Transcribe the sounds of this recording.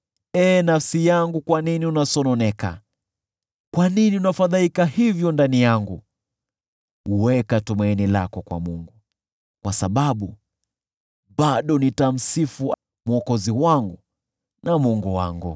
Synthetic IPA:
ɛːnafsijaŋɡukwaniniunasɔnɔnɛka̰ | kwaniniunafaðaikahivjɔndanijaŋɡu | uwɛkatumainilakɔkwa̰muŋɡu | kwasaɓaɓu | ɓaɗɔnitam̩sifu | muɔkɔziwaŋɡu | namɔŋɡuwa̰ŋɡṵ

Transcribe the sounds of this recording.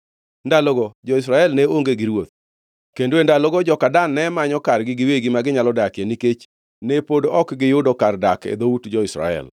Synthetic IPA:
ndaloɡɔd͡ʒɔɪs̬ɾaɛlnɛoŋɡeɡɪɾwot̪̚ | kendoendaloɡɔd͡ʒɔkadanːɛmaɲɔkarɡɪɡɪweɡimaɡɪɲalɔdakjeniket͡ʃ | nepodoɔkɡɪjʊdɔkardakḛd̪outd͡ʒɔɪsɾa̰ɛ̰l

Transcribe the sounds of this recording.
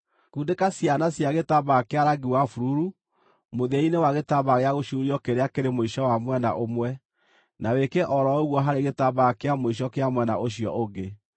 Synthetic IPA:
kuːndekasjanasjaɣetabakeaɾaɡiwafuɾuɾu | moðɛinewaɣetaβaɣeaɣoʃuɾiɔkeɾeakeɾemoiʃɔwamwɛna̰ʔomwɛ | nawekeʔɔɾɔoɣwɔɦaɾeɣetaβakeamoiʃ̬ɔkeamwɛna̰ʔoɕijɔ̰ʔoɡe

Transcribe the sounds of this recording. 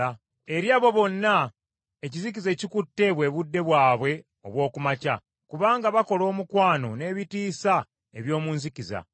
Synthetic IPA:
e̞ɾjaːβo̞βo̞nːa | ecizik̬ize̞cikutːe̞βwe̞ːβudːe̞βwaːβwe̞ | o̞̰βwo̞ːkumaca | kuβaːŋɡaβako̞lo̞ːmukwaːno̞̰ne̞ːβitiːsa | e̞βjo̞ːmuːnzikiza̰

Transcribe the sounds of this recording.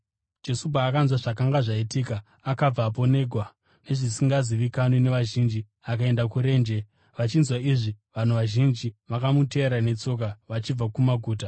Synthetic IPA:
d͡ʒe̞sup̬aːkanzwaʐakaŋɡaʐaitiːkaː | kab͡vaːp̬o̞ne̞ːɡʱwa | ne̞ʐisiŋɡaziʋikanene̞ʋaʒind͡ʒi | ak̬ae̞ndakuɾe̞ːnd͡ʒe̞ | ʋat͡ʃinzwaiʐi | ʋan̤uʋaʒind͡ʒiʋakamute̞ɾane̞t͡so̞k̬aʋat͡ʃib͡vakumaɡʱuːta

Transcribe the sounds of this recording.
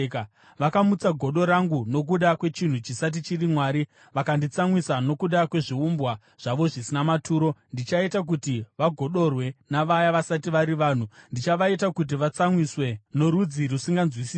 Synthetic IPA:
k | ʋakamut͡saɡʱo̞ɗo̞ɾaŋɡuno̞k̬uɗakwe̞t͡ʃin̤ut͡ʃisat̬it͡ʃirimwaːɾi | ʋakandit͡samwisano̞kuɗakwe̞ʐiumbwa | ʐ̥aʋo̞ʐisinamatʰuːɾo̞ndit͡ʃaitak̬utiʋaɡʱo̞ɗo̞rwe̞naʋajaʋasatiʋaɾiʋaːn̤undit͡ʃaʋaitakut̬iʋat͡samwiswe̞noɾud͡zirusiŋɡanzwisiː

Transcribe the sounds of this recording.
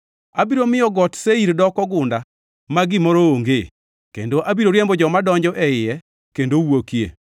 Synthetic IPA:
abiɾomɪjɔɡɔtseiɾdɔkɔɡʊnda | maɡɪmɔɾɔoŋɡe | kḛndoʔabiɾoɾjembɔd͡ʒɔmadɔɲd͡ʒɔʔɛɪjɛ | kendowokjḛ

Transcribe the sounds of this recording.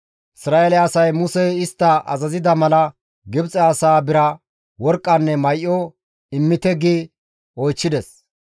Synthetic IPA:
ʔɪsɾaːʔelɛɐsɐjmʊsɛjɪst̪ːɐʔɐ̰zɐzɪd̪ɐmɐlɐ | ɡɪbt͡sʼɛɐsaːbɪɾɐ | wɔɾkʼːɐnːɛmɐjʔːɔ | ɪmːɪt̪ɛɡi | ɔjt͡ʃːɪd̪ɛs

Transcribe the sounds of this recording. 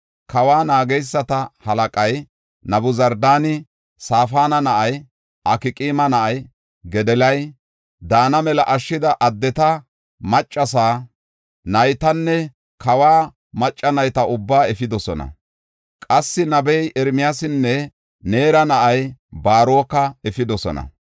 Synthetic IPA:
kɐwaːnaːɡɛjsːɐt̪ɐhɐlɐkʼɐj | nɐbʊzɐɾd̪aːnɪ | saːfaːnɐnɐʔɐj | ʔɐkɪkʼiːmɐnɐʔɐj | ɡɛd̪ɛlɐj | d̪aːnɐmɛlɐʔɐʃːɪd̪ɐʔɐd̪ːɛt̪ɐ | mɐt͡ʃʼːɐsaː | nɐjt̪ɐnːɛ | kɐwaː | mɐt͡ʃʼːɐnɐjt̪ɐʊbːaːɛfɪd̪ɔsɔnɐ̰ | kʼɐsːɪnɐbɛjʔɛɾmɪjasɪnːɛ | ne̞ːɾɐnɐʔɐjbaːɾoːkːɐɛfɪd̪ɔsɔ̰nɐ̰

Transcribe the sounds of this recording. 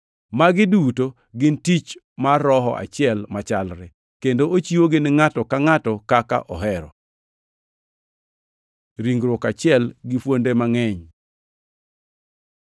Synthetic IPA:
maɡɪduto | ɡɪntit͡ʃ | maɾɔɦɔ̰ʔa̰t͡ʃɪɛlmat͡ʃalɾɛ | kendoot͡ʃiwoɡɪnɪŋatɔkaŋatɔkaka̰ʔɔɦɛɾɔ̰ | ɾiŋɡɾwɔkat͡ʃɪɛlɡɪfwondemaŋɛɲ

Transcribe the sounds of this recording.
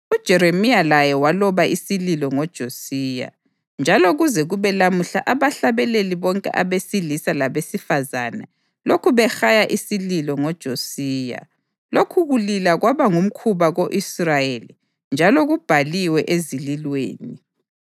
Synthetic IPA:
ud̥ʒ̥ʱɛɾemijalajɛwalɔβaʔisililɔŋɔd̥ʒ̥ʱosiːja̰ | nd͡ʒʱaloɣuzɛɣuβɛlamuɬaʔaβaɬaβɛleliβɔŋkʼɛ̰ʔaβesilisalaβesifazanɛ | lokʰuβɛxajaʔisililɔŋɔd̥ʒ̥ʱosiːja̰ | lokʰuɣulilaɣwaβaŋum̩kʰuβaɣoʔisrajeli | nd͡ʒʱalɔɣub̥ʱaliwɛʔezililwḛːni

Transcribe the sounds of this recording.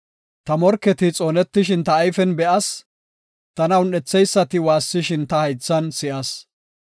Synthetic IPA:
t̪ɐmɔɾkːɛt̪ɪt͡sʼoːnɛt̪ːɪʃɪnt̪ɐːjfɛnbɛʔɐs | t̪ɐnɐwnɛt͡sːɛjsːɐt̪ɪwaːsːɪʃɪnt̪ɐhɐjt͡sːɐnsɪʔɐs

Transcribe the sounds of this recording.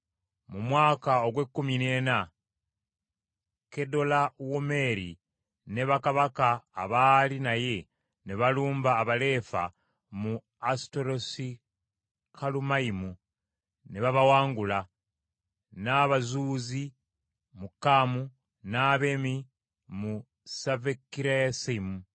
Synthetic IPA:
mumwaːkao̞ɡwe̞kːumine̞ːna | kedo̞lawome̞ɾḭ | neβakaβakaːβalinaje̞ | neβaluːmbaːβale̞ːfa̰ | mu | asto̞ɾo̞si | kʰalumaimu | neβaβawaːŋɡula | naβazuːzi | mukːamu | naβemi | mu | savekːiɾajasaimu

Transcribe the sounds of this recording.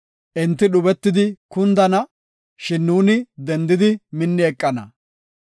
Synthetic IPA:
ʔɪnt̪ːɪɗʊbɛt̪ːɪd̪ɪkʊnd̪ɐnɐ | ʃɪnːuːnɪd̪ɛnd̪ɪd̪ɪmɪnːɪɛkʼːɐnɐ̰

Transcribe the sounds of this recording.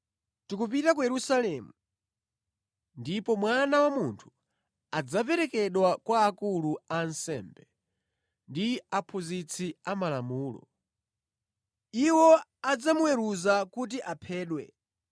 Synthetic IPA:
tikupitak̬ujɛɾusalɛːmu | ndipɔmwanawamuntʰu̥ | ad͡zapɛɾɛkɛɗwakwaːkuluansɛ̰mbɛ | ndiapʰuzit͡sʰiamalamuːlɔ̰ | iwɔad͡zamuwɛɾuzakut̬iʔapʰɛːɗwɛ̰

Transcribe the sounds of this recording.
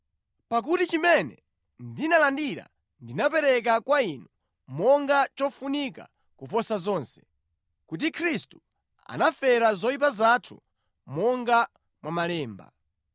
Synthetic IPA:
pak̬utit͡ʃimɛnɛ̰ | ndinalandiɾa̰ | ndinapɛɾɛk̬akwainɔ | mɔŋɡat͡ʃɔfunika̰ | kupɔsazɔːnsɛ̥ | kut̬ikʰɾistu | a̰nafɛɾazɔip̬azatʰu | mɔŋɡa | mwamalɛːmba̰

